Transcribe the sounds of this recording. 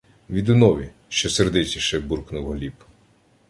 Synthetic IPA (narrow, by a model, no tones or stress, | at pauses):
ʋʲid̪ʊnɔʋʲi | ʃt͡ʃɔserd̪ɪt͡ʃʲiʃɛburknʊwɦlʲib